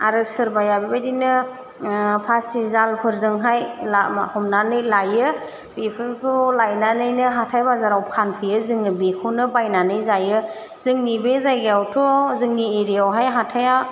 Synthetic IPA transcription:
aɾɯsɯɾbajabibajdinɯ | pʰasizalpʰɯɾzɯŋɦajlahɔmnanɯjlajɯ | b̥epʰɯɾpʰɔlajnanɯjnɯɦatʰajbazaɾawpʰanpʰɯjɯzɯŋɯbekʰunɯbajnanɯjzajɯ | z̥ɯŋnibezajɡiawtʰɔzɯŋnieɾijawɦajɦatʰaja

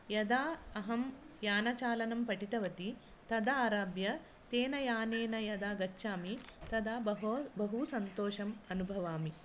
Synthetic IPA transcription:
jɐd̪aːɐɦɐmjaːnɐt͡ʃaːlɐnɐmpɐʈit̪ɐʋɐt̪i | t̪ɐd̪ɐaːɾaːbjɐ | t̪eːnɐjaːneːnɐjɐd̪aːɡɐt͡ʃːʃaːmit̪ɐd̪aːbɐɦusɐnt̪oːʂɐmɐnubʱɐʋaːmi

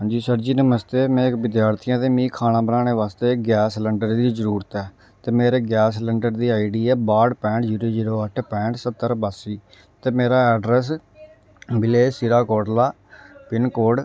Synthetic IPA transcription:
ãːd͡ʒiːsəɾd͡ʒiːnəməst̪eːmɛ̃ːɪkʋɪd̪jaːɾt̪ʰɪjãːt̪eːmĩːkʰaːñãːbənãːneːʋaːst̪eːɡɛːsləɳɖəɾd̪iːzəɾuːɾət̪ɛː | t̪eːmeːɾeːɡɛːsləɳɖəɾd̪iːaːiɖiːɛːbaːɖpɛ̃ːɳʈd͡ʒiːɾiːd͡ʒiːɾoːəʈʰpɛ̃ːɳʈsət̪ːəɾbaːsiː | t̪eːmeːɾaːɛːɖɾɛs̬ | bɪleːsiɾaːkoːɖlaː | pɪnkoːɖ

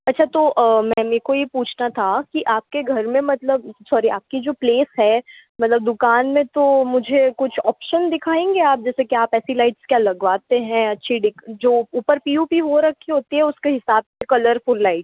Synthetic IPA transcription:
ɐtːʃʰat̪oʔmɛ̃meːkojepuːt͡ʃʰnat̪ʰakiʔaːp̚keɡʱɐɾmẽmɐt̪ləb̚sɔːɾiaːp̚kid͡ʒoːpleːsɦɛː | mɐt̪ləb̚d̪ʊkaːnmẽt̪omʊd͡ʒʱekʊt͡ʃʰɔːpʃənd̪ɪkʰaːẽːŋɡeaːp̚d͡ʒɛːsekijaːpɛːsilaɪʈskjaːlɐɡʋaːt̪eɦɛ̃ɐtːʃʰiɖɪkʰd͡ʒoːuːpəɾpiːubʱiɦoɾɐkʰːeɦoːt̪iɦɛ̃ʊskeɦɪsaːbsekɐləɾfʊlːaɪʈ

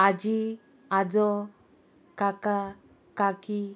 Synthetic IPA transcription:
ad͡ʒi | ad͡ʒɔ | kaka | kaki

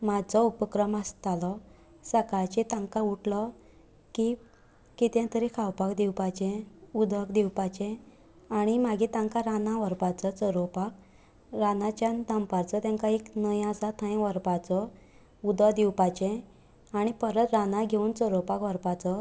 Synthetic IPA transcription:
mad͡zɔupəkɾəmast̪alɔ | səkajt͡ɕẽt̪ãŋkauʈlɔ | ki | kit̪jãt̪əɾekʰawpakd̪iwpat͡ɕɛ̃ud̪əkd̪iwpat͡ɕɛ̃ | aɽ̃imaɡit̪ãŋkaɾanãʋəɾpat͡sɔt͡səɾopak̚ | ɾanat͡ɕjãnd̪ʱãmpaɾt͡sɔt̪jãŋkaeknəjasat̪ʰãj̃ʋəɾpat͡sɔ | ud̪əd̪iwpat͡ɕɛ̃ | aɽ̃ipəɾət̪ɾanaɡʱeuːnt͡səɾopakʋəɾpat͡sɔ

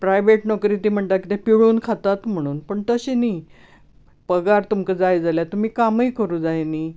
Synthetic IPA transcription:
pɾajʋeʈnɔkɾiːt̪iːm̤əɳt̪akit̪ẽpiɽuːnkʰat̪at̪m̤əɽ̃uːnpəɳt̪əɕini | pəɡaɾt̪umkəd͡zajd͡zaljat̪um̤iːkaməjkəɾũːd͡zajniː

